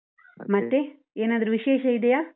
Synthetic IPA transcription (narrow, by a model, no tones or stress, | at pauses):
mɐt̪ːe | eːnaːd̪ɐɾuʋiʃeːʃɐid̪ejaː